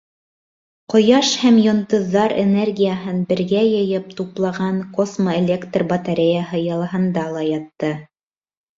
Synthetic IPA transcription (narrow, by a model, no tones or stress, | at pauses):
qŏjɑʃhæmjŏnt̪ɤ̆ðːɑɾḛnerɡʲijəɦɤnbɘ̆ɾɡæjɤ̆jɤp̚t̪uplˠɑʁɑnkosmoelʲekt̪rbɐt̪aɾʲejaɦɤjɤ̆lˠɤɦɤ̆nd̪ɑlˠɑjɑt̪ːɤ